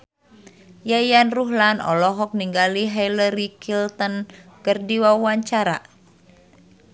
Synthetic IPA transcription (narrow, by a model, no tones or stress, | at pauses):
jajanruɦlanɔ̰lɔɦɔk̚niŋɡaliɦajləɾikʰilt̪ənkərdiwawaɲt͡ʃaɾa̰